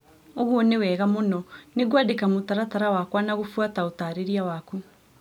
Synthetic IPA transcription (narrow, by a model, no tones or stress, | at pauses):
oɣuɔnewɛːɣamonɔneɣwadekamotaɾataɾawakwanaɣofwataotaɾeɾiawaku